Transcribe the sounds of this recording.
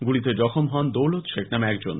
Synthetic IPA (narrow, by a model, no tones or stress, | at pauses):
ɡulit̪ed͡ʑɔkʰomɦɔnd̪owlot̪ʃeknamɛkd͡ʑon